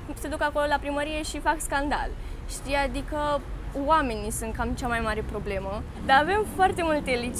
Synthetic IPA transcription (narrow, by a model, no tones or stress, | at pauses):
se̞d̪ukako̞lo̞lapɾiməɾije̞ʃifakskand̪a̰l | ʃt̪ijad̪ikə | wame̞nisunt̪kamt͡ʃamajmaɾe̞pɾo̞ble̞mə | d̪aave̞mfoart̪e̞mult̪elit͡ʃ